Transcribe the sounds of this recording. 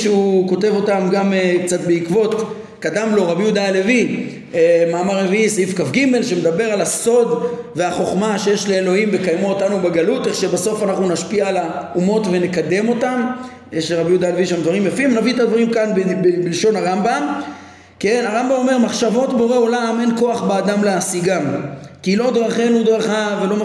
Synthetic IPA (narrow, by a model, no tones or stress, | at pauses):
ʃeuko̞te̞vo̞tamɡamekt͡sat̪beikvo̞t̪ | kad̪amlo̞ʁabijud̪alevi | maːmaʁeviisifkafɡime̞lʃemed̪abeʁalaso̞d̪ve̞aχo̞χmaʃejeʃle̞ːlo̞himbe̞kajmuotanubeɡalut̪eχʃe̞beso̞fanaχnunaʃpialaumo̞tve̞ne̞kad̪e̞mo̞t̪am | eʃeʁabjud̪aleviʃamd̪vaʁimjafimvnaviet̪ad̪vaʁimkanbbebilʃo̞naʁambam | kenaʁambamo̞me̞ʁmaχʃavo̞t̪beoʁeo̞lame̞nko̞aχbead̪amleasiɡamkilo̞d̪ʁaχenud̪ʁaχavelo̞m